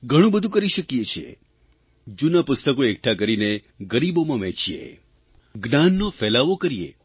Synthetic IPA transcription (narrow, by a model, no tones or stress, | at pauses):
ɡʱəɽ̃ũbəd̪ʱũkəɾiʃəkijet͡ʃʰḛ | d͡ʒunapʊst̪əkoek̚ʈʰak̬əɾine | ɡəɾibomãʋɛ̃t͡ʃijḛ | ɡnanːofɛlaʋokəɾijḛ